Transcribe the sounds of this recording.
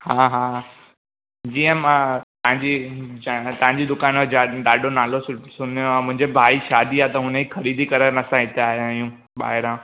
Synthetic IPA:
hãːɦãː | d͡ʑiːə̃mãt̪ɐɦãɲd͡ʑi | t̪ɐɦãɲd͡ʑid̪ʊkaːnʋeaɗaːɖʱonaːlossʊnjoamʊ̃ɦɪ̃ɲd͡ʑebʱaːiʃaːd̪iaːt̪ɐɦʊnəixɐɾiːd̪ʱikɐɾenɐsãɦɪt̪ʰeaːɦjãːɦijũ | ɓa̰ːɦɪɾãː

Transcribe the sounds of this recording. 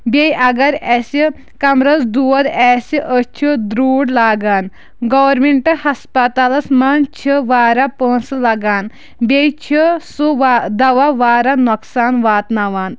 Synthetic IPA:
bʲejɐɡɐɾɛsi | kɐmɾɐt͡sd̪uʋɐd̪ɛːsiʔət͡ʃʰid̪ɾuːɽlaːɡaːn | ɡɐʋɐɾmiɳʈɨhɐspɐt̪alɐsmant͡ʃʰəʋaːɾapə̃ːnslɐɡaːn | bʲejt͡ʃʰisuʋad̪ɐʋaʋaːɾanɔksaːnʋaːt̪naʋaːn

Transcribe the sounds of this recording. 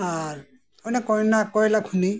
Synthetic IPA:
a | ɔnɛkɔɹnakɔɹlakʰuni

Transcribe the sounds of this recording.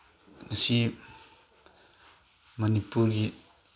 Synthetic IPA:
ŋasi | mɐnipuɾɡi

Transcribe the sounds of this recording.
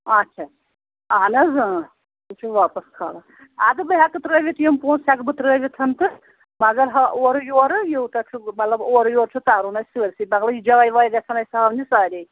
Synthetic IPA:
ɐtːt͡ʃʰa | aːnɐzɨ | ut͡ʃʰuʋaːpɐskʰa̰ːlɐ | ad̪ɨbɨɦʲakɨt̪ɾəːʋʲit̪jimpuːnsʲakbɨt̪ɾəːʋʲit̪ʰɐnt̪ɨ | mɐɡɐɾɦɐʔoːɾɨjoːɾɨjowt̪ɐt͡ʃʰumɐt̪lɐboːɾjoːɾt͡ʃʰut̪aːɾunɐsiɐɾsibɐɡlɐjid͡ʒɐʋajʋaːjd̪ɐsʰɐnɐjsaɐmnisaːɾʲi

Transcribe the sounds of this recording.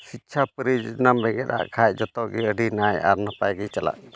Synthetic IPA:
sit̪̚t͡ʃʰapəɾid͡ʒnambɛɡɛɗ̪a̰ʔkʰajt̚d͡ʒɔt̪ɔʔɡɛəɖinaja̰ɾnəpajɡit͡ʃala̰ʔ̚

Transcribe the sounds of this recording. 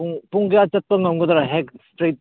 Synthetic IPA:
ŋpuŋɡjat͡ʃɐt̚pɐŋɐmɡɐdɐɾɐɦekstɾet̚

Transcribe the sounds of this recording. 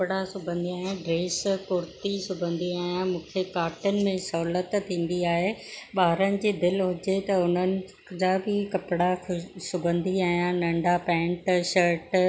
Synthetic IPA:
pɽasʊbʱə̃nd̪iaːɦijãɖɾeːskʊɾt̪isʊbʱə̃nd̪iaːɦijãmũːkʰekaːɾʈənɪ̆mẽsɐɦlət̪t̪ʰːĩːn̆d̪iaːɦeɓaːɾənɪ̆d͡ʑiːd̪ɪlɦʊd͡ʑet̪ɐʊn̤ənɪ̆ | d͡ʑaːbɪkɐpɪɽasʊbʱə̃nd̪iaːɦijãnɐ̃ɳɖapɛ̃ːɳʈʃəɾʈ

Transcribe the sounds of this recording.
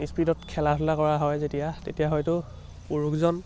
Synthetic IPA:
ispidɔtkʰɛlatʰʊlakɔɹaɦɔjzetijatḛtijaɦɔjtʊ | puɹukzɔn

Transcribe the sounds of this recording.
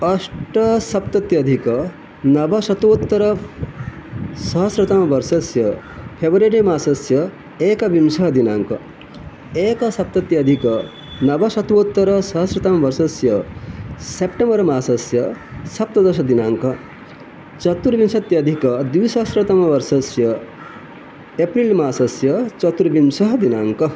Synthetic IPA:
ɐsʈɐsɐpt̪ɐt̪jɐd̪ʱikɐ | nɐbʱɐsɐt̪ʋot̪ːɐɾɐ | sɐɦɐsɾɐt̪amɐʋɐɾsɐsjɐ | pʰebɐɾeɖemaːsɐsjɐ | eːkɐbimsɐɦɐd̪inaːŋkɐ | eːkɐsɐp̚t̪ɐt̪jɐːd̪ʱikɐ | nɐbɐsɐt̪ʋot̪ːɐɾɐsʌɦʌsret̪amabʌɾsʌsjʌ | sepʈembʌɾmaːsʌsjʌsʌp̚t̪ʌd̪ʌsʌd̪inaŋkʌ | t͡sʌt̪ːuɾbimsʌt̪jad̪ʱikʌd̪uwsʌɦʌsɾet̪amabʌrsʌsjʌ | eprilmasʌsjʌt͡sʌt̪uɾbimsʌɦd̪inaŋkʌ

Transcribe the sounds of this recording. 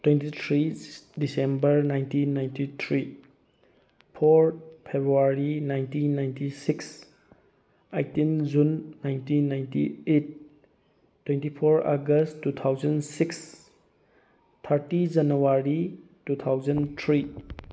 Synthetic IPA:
twentit̪ʰɾidisembəɾnajntinːajntit̪ʰɾi | pʰoɾpʰebɾuaɾinajntiːajntisiks | ajtind͡ʒunːajntinːajntḭet̚ | tːwentipʰoɾa̰ɡəstːut̪ʰawzɐnsiks | t̪ʰaɾtid͡ʒɐnuaɾi | tut̪ʰawzɐnt̪ʰɾi

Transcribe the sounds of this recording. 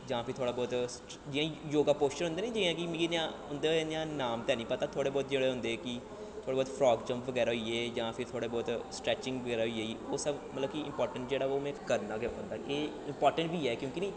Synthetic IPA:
d͡ʒãːpʰɪɾt̪ʰoːɽaːbɔːt̪s | d͡ʒɪjãːjoːɡaːpoːst͡ʃəɾɦʊ̃nd̪eːnĩːd͡ʒɪãːkɪmkinãːʊnd̪enjãːnaːmt̪ɛːnĩːpət̪aːt̪ʰoːɽeːbɔːt̪̚d͡ʒeːɽeːɦʊ̃nd̪eːkɪ | t̪ʰoːɽeːbɔːt̪pʰɾɔːɡd͡ʒə̃mpʋəɡɛːɾaːɦoieːd͡ʒãːpʰɪɾt̪ʰoːɽeːbɔːt̪sʈɾɛːt͡ʃɪ̃ŋɡʋəɡɛːɾaːɦoieːioːsəbmət̪ləbkiɪ̰mpɔːɾʈəɳʈ̚d͡ʒeːɽaːoːmɛ̃ːkəɾnaːɡeə̃nd̪aːʔeː | ɪmpɔːɾʈəɳʈbʱiːɛːkjõːkinẽː

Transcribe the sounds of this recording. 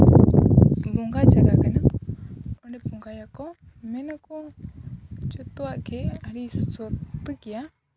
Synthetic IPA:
bɔŋɡad͡ʒaɡakana | ɔnɛpɔŋɡajakɔ | mɛnakɔ | t͡ʃɔt̪ɔwaʔkʰɛaɾisɔt̪ːkɛja

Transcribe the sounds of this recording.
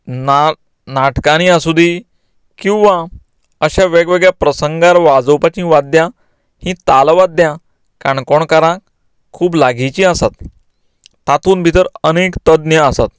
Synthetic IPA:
na | naʈkaɽ̃iasud̪ʱi | kĩw̃ʋã | əɕaʋeɡʋeɡɭjapɾəsəŋɡaɾʋad͡zowpat͡ɕĩʋad̪jã | hĩt̪alʋad̪jã | kaɳkɔɳkaɾãk | kʰːuːblaɡit͡ɕĩasat̪ː | at̪uːnbʱit̪əɾənekt̪əd̪njəəsat̪

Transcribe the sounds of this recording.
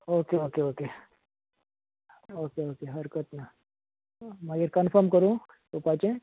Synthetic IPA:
oːkeoːkeoːke | oːkeoːkeɦɐɾkət̪na | mɐɡəɾkɐnfʰəɾmkəɾũ | t̪opaːt͡ʃẽ

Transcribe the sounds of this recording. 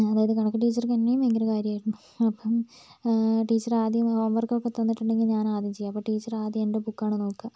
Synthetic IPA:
ɐðaːjɐðɨkɐɳɐkːɨʈiːt͡ɕːɐrkɐnːejumeŋɡɐlɐkaːɾjɐmaːjiɾunːu | ɐpːɐm | ʈiːt͡ɕːɐraːd̪jɐmhoːmʋɐrkɐokːet̪ːɐnːiʈːuɳɖe̞ŋɡilɲaːnaːd̪jɐmt͡ɕejːaɐpːoːʈiːt͡ɕːɐraːd̪jɐenɖebukːaːɳɨno̞ːkːɐ

